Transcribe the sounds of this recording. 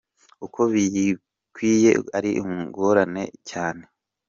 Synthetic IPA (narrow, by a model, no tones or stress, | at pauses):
ukʰo̞βiji | kwiːje̞aɾiʔumuŋɡoɾane̞̰caːne̞